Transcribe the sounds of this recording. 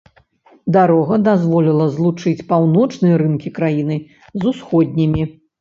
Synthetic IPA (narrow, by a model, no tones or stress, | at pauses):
d̪aɾɔɣɐd̪azvɔlʲilˠɐzlˠut͡ʂɨt͡sʲpawnɔt͡ʂnɨjɐɾɨnkʲikɾajinɨ | zusxɔd̪ʲnʲimʲi